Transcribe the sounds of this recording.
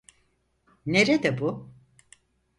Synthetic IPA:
neɾed̪ɛbu

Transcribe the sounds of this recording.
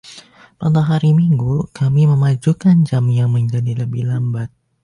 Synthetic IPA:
padaɦaɾimiŋɡukamiməmad͡ʒukand͡ʒamjaŋməɲd͡ʒadiləbɪhlambat̪̚

